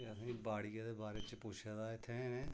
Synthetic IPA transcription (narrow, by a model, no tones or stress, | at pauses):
əsĩːbaːɽiːãːd̪eːbaːɾeːt͡ʃpʊt͡ʃʰaːd̪aːɪt̪ʰːẽːneː